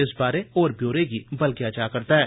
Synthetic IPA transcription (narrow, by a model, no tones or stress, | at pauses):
ɪsbaːɾeɔːɾbʱjoːɾekibɐlkiat͡ʃaːkɐɾt̪aɦɛː